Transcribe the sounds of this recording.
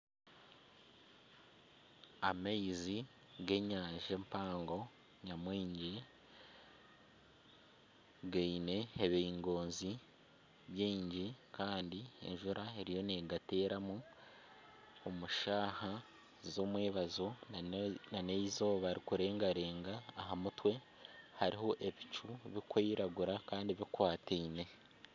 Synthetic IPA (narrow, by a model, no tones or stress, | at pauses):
amaizi | ɡe̞ɲaːɲʒempaːŋɡo̞ | ɲamwiːɲɟi | ɡeine̞eβeiŋɡo̞ːnzi | βjiːɲɟikaːndie̞̰ɲʒuɾaeɾijo̞neɡate̞ːɾamu | omuʃaːha | zo̞mweːβazo̞ | naneizo̞ːβaɾikuɾe̞ːŋɡaɾe̞ːŋɡaːɦamutwe̞ | haɾiɦo̞ʔe̞βit͡ʃuβikwiːɾaɡuɾakaːndiβikwaːtene̞